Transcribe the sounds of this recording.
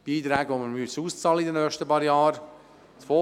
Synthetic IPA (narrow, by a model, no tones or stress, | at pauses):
b̥iːt̪ɾæːɡʋoməɾmysuːst͡sɑːləidənœːχʃtəpɑːɾjɑːɾ | t͡sfo